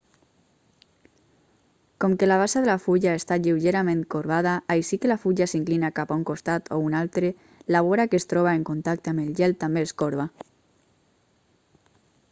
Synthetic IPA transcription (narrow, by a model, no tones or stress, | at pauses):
kɔmkelaβasaðelafuʎaest̪aʎiwʒeɾamẽnkoɾβaðaʔajsikelafuʎasiŋklinakapauŋkost̪at̪ʰo̰unalˠt̪ɾe | laβoɾakest̪ɾɔβaeŋkont̪ak̚t̪eamelʒɛlt̪ːambeːskoɾβ̞a